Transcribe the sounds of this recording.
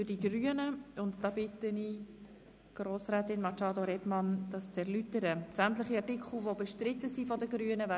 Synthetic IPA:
fʏd̥iɡryənəʊntd̥ɑbɪtəni | ɡ̥ɾoːsɾɛːtɪnmɑt͡ʃɑːdoɾɛbmɑnd̥ɑst͡sɛɾlytəɾət͡sæmt̪ləχiɑrtɪkχl̩ˠvobeʃtɾɪtːəzifɔdəɡɾyənəva

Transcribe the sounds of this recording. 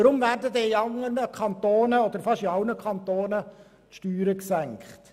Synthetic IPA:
əɾʊmvæːɾdədeːiɑŋənəkʰɑnt̪oːnəɔd̪əɾfɑʃiɑʊnəkʰɑnt̪oːnə | tʃtyːɾəksæŋkχt̪

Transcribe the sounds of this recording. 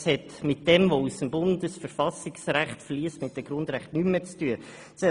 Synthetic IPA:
shɛtmɪtd̥ɛmvousəmbʊndəsfəɾfɑsɪksɾæχtfliəstmɪt̚d̥ɛɡ̥ɾʊndɾæχtnymət͡styə | sɛ

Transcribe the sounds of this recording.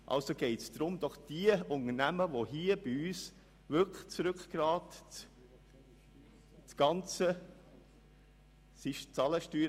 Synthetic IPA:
ʔɑ̰lsoɡɛɪtsd̪̥ɾʊmd̥̪ɔχd̥iəʊnənæməʋoɦiəb̥iyːs | ʋʏkʰə̥t͡sɾʏkχɡ̥ɾɑːt | ɡ̥ɑnt͡sə | sɪʃt͡sɑləʃtyːɾ

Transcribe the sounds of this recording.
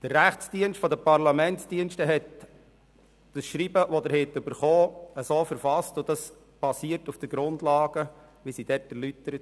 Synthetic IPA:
d̥əɾːæχt͡ssd̥iənʃtfɔd̪əpɑɾlɑmɛntsd̥iənʃtəɦɛt | d̥əsʃɾiːbəʋɔd̪əɾhɪt̪ʏbəɾχoːəsoːfəɾfɑstʊd̪ɑs | b̥ɑsiəɾtufd̥əɡ̥ɾʊnd̪lɑːɡ̥ə | ʋisid̥ɛtɛɾlyt̪əɾət

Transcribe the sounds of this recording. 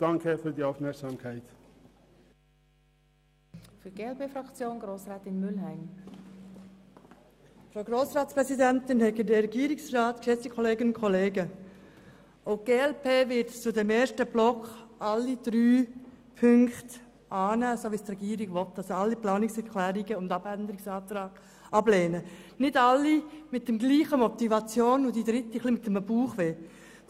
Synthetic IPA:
d̥ɑŋkʰəfyːdiːaʊfmɛɐksɑːmkʰaɪt | fyːɡ̥eːɛlpeːfɾɑkt͡sjoːnɡɾoːsʁaːtɪnmʏlɦæɪm | fɾaʊɡɾoːsʁɑːtspʁɛsidɛntɪnhɛkədɛɾɛɡiːɾɪksrɑːtkʃɛt͡sd̥ikʰɔleːɡənʊnkʰɔleːɡə | oʊɡ̥eːɛlpʰeːvɪtt͡sʊdemeːʃtəb̥lɔkχɑlːid̥ɾyː | pʰʏŋkt | ʔɑːnæːsoːʋistrɛɡiːɾiɡʋɔtːɑsoɑlːiplɑːnɪksɛɾkʰlɛːɾiɡəʊndɑbænd̪əɾɪksɑːt̪ɾɑːɡ̥ | ʔɑbleːnənɪdɑlːimɪt̚dɛmɡliːχəmɔt̪ivɑt͡sjoːnʊd̥id̪ɾɪtiχlimɪt̪ːɛməb̥uːχʋeː

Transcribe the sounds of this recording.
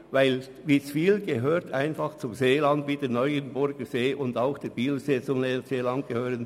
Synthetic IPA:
vaɪl | viːsfiːlɡeɦøːɾtʰaɪnfɑχt͡sʊmzeːlɑndʋiːdeːɐnɔʏənbʊɾɡ̥əzeːʔʊndaʊxd̥eːb̥iːləseːt͡sʊmeseːlɑnd̚ɡ̥əhøːʁən

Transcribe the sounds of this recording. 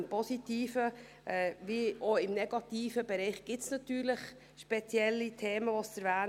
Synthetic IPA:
mpɔsitiːfə | ʔɛːvioɪmnɛɡ̥ɑt̪iːfəbɛɾɛɪχɡ̥ɪtsnɑtyːɾlɪχ | ʃpɛt͡sjɛlːitʰeːməvʋɔsəɾvæːn

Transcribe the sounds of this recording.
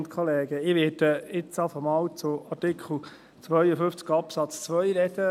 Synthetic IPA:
nt̪kʰχɔleːɡəɪʋeːd̥əɪt͡sɑfɔmɑːwt͡sʊɑtɪkχl̩ | t͡sʋœjəfʏft͡skɑpsɑt͡st͡sʋœjɾɛd̪̥ə

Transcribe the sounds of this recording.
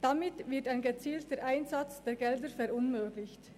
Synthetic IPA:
d̥amɪtvɪɐtaɪnɡət͡siːltəɾʔaɪnzat͡sd̥eːɾɡɛldəfɛɾʔʊnmøːɡlɪçt

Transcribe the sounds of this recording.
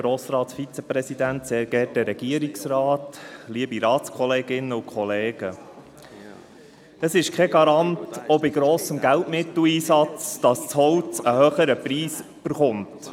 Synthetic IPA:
ɡɾoːsɾɑːtsfit͡sɛpɾɛsidænt̪seːɾɡ̥ɛɾtəɾɛɡ̥iəɾiksɾɑːtliəbiɾɑːtt͡skʰɔleːɡɪnːəukχɔleːɡ̥ə | d̥ɑsɪʃkʰɛɡɑɾɑntɔbiɡɾɔːsəmɡæltmɪt̪l̩iːsɑt͡sd̥ɑst͡shɔwt͡səhœχəɾəpɾiːs | b̥əɾχʊnt

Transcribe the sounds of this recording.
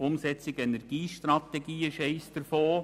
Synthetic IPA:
ʊmsɛt͡sɪɡɛnɛɾɡ̥iːʃtrɑt̪ɛɡiːəʃɛɪsd̪̥əɾfoː

